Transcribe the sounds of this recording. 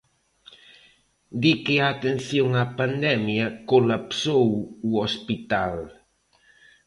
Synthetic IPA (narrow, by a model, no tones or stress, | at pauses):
d̪ikeaːt̪enθjoŋapand̪ɛmjakolapsowuospit̪al